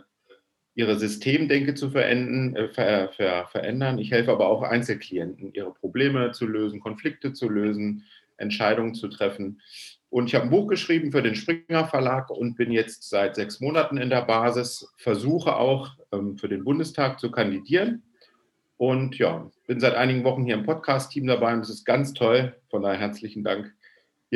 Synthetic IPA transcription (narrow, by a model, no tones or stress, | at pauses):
ʔiːʁ̞əzʏstʰeːmdɛŋkət͡sufɛɐʔɛndn̩fɛfɛɐfɛɐʔɛ̰ndɐnɪçhɛlfəʔaːbɐaʊxʔa̰ɪnt͡sl̩kʰl̥iɛntn̩ʔiːʁ̞əpʁ̥obleːmət͡suløːzn̩kʰɔnflɪk̚tət͡suløːzn̩ | ʔɛ̰ntʃaɪɾʊŋənt͡sutʁ̥ɛfn̩ʔʊntɪçhaːbən̩buːxɡ̥əʃʁ̥iːbm̩fyːɐɾeːnʃpʁ̥ɪŋɐfɛɐlaːkʊnt̚b̥ɪnjɛt͡stz̥aɪtz̥ɛksmoːnatn̩ɪndeːɐbaːzɪsfɛɐzuːxəʔa̰ʊxʔɛːmfyːɐdeːnbʊndəstʰaːk̚t͡sukʰandidiːʁən | ʔʊntja̰ːb̥ɪnzaɪtʔaɪnɪɡŋ̩vɔχn̩hiːɐɪmpʰɔtkʰaːstʰːiːmdabaɪʊntd̥asɪst̚ɡ̥ant͡stʰɔlfɔndaɦɛɐt͡slɪçn̩daŋkː